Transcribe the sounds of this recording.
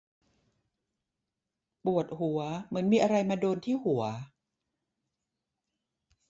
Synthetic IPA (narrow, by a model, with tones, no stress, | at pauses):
pu˨˩ət̪̚hu˨˩˦ɐmɯ˩˦nmiː˧ʔa˧ɾa˧jmaː˧doː˧nt̪ʰiː˥˩hu˩˦ɐ